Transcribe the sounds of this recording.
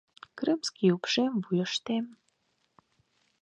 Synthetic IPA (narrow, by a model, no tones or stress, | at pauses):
krɨmskʲiupʂemvujəʂt̪em